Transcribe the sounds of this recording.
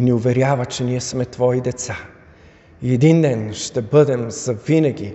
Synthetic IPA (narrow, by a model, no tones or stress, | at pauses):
inɛʊvɛɾjavət͡ʃɛniɛsmɛt̪vɔid̪ɛt̪sa | iɛd̪ind̪ɛnʃt̪ɛbɤd̪ɛmz̥ɐvinɐɡʲi